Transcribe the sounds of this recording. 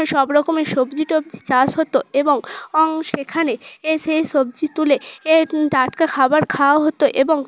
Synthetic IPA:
ʃɔbɾɔkomeʃobd͡ʑiʈob̚d͡ʑit͡ɕasɦot̪oeboŋɔŋʃekʰaneeseʃob̚d͡ʑit̪uleeɖaʈkakʰabaɾkʰaoɦot̪oʔeboŋ

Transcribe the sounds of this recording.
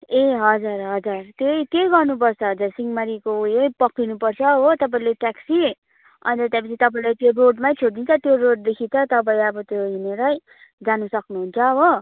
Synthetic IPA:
eɦʌd͡zurɦʌd͡zurt̪jojt̪jejɡʌrnup̬ʌrt͡sʰʌɦʌd͡zursiŋɡmaɾikojejpʌkːinupʌrt͡sʰʌɦot̪ʌp̬aĩleʈaksi | ʌ̰nt̪ʌt̪japʌt͡sʰit̪ʌp̬aĩlajt̪joroɖmajt͡sʰoɽ̚d̪int͡sʰʌt̪joroɖ̚d̪ekʰit͡sʰʌt̪ʌp̬aĩʌbʌt̪joɦineɾʌj | d͡zanusʌknuɦunt͡sʰʌɦo

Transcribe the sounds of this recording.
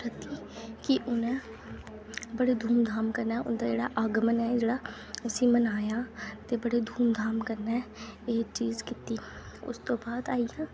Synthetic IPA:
ɾət̪iː | kɪʔʊnɛ̃ː | bəɽeːd̪ʱuːmd̪ʱaːmkəɾnɛːʊ̰nd̪aːd͡ʒeːɽa̰ːʔaːɡmənɛːd͡ʒeːɽaː | əsĩːmənaːjãːt̪eːbəɽeːd̪ʱuːmd̪ʱaːmkəɾnɛːeːt͡ʃiːzkɪt̪iː | ʊ̰st̪õːbaːd̪aːiːãː

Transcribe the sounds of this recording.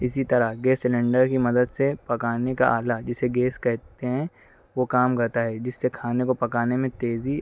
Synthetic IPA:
ɪsit̪ɐɾaɡeːsːɪlɛ̃ɳɖəɾkimɐd̪əd̪sepɐkaːnekaʔaːlad͡ʒɪseɡeːskɛɦt̪eɦɛ̃ | ʋokaːmkɐɾt̪aɦɛd͡ʒɪsːekʰaːnekopɐkaːnemẽt̪eːzi

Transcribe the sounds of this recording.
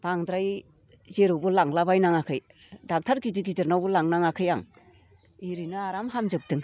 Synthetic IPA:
b̥aŋdɾaj | zeɾuwbɯlaŋlabajnaŋakʰɯj | dak̚tʰaɾɡidiɡizɯɾnawbɯlaŋnaŋakʰɯja̰ŋ | iɾinɯaɾamɦamzɯp̚tɯŋ

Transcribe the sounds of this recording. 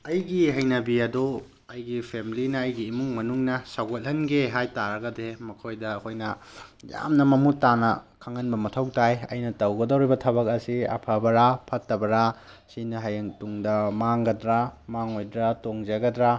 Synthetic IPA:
ɐjɡiɦɐjnɐbiɐdu | ɐjɡipʰemilinɐːjɡiːmuŋmɐnuŋnɐsawɡot̚hɐnɡeɦajtaɾɐɡɐdemɐkʰojdɐːkʰojnɐ | ja̰mnɐmɐmutːanɐkʰaŋɐnbɐmɐtʰɐwtajɐ̰jnɐtɐwɡɐdɐwɾibɐtʰɐβɐkɐsiɐ̰pʰɐbɐɾapʰɐtːɐbɐɾa | sinɐɦɐjɐŋtuŋdɐmaŋɡɐdɾamaŋojdɾatoŋzɐɡɐdɾa

